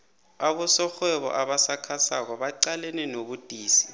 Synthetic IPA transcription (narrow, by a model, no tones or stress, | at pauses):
aɓɔsɔxwɛɓɔ̰ʔaɓasakʰasak̬ɔɓaǀalenɛnoɓud̥ʼʱiːsi̥